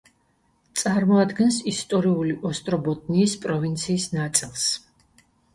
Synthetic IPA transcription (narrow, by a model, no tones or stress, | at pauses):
t̪sʼaɾmɔad̪ɡɛnsist̪ʼɔɾiuliʔɔst̪ʼɾɔbɔt̪ʼniːspʼɾɔvint̪sʰiːsnat̪sʼilˠs